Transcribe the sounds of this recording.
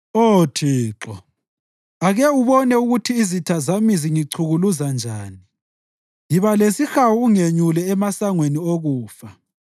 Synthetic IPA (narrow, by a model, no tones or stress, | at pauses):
otʰiːǁɔ | aɣɛuβɔnɛuɣutʰiːzitʰazamiziŋiǀʰuɣuluzand͡ʒʱaːni | jiβalesixawuuŋeɲulɛːmasaŋwenioɣuːfa